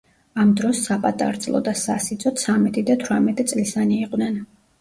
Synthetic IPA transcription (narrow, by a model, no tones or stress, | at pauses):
amd̪ɾɔsːapʼat̪ʼa̰ɾd̪zʼlˠɔ̰d̪asasit̪sʼɔt̪sʰamɛt̪ʼid̪at̪ʰwamɛt̪ʼit̪sʼlisaniːqʼnɛn